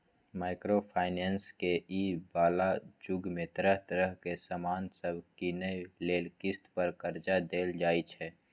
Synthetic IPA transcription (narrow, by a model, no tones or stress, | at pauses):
maːɪkɾopʰaːɪnɛːnskeiːbaːlad͡ʒʊɡmẽt̪əɾəɦt̪əɾəɦkesaːmaːnsəbʱkinəjleːlkɪst̪pəɾkəɾd͡ʒad̪eːld͡ʒaːit͡ʃʰɛː